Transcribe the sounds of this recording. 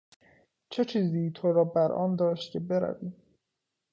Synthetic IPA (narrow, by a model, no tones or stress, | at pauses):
t͡ʃʰet͡ʃʰiːziːt̪ʰoɾɒːbæɾʔɒ̰ːnd̪ɒːʃt̪kʰebe̞ɾæ̰viːm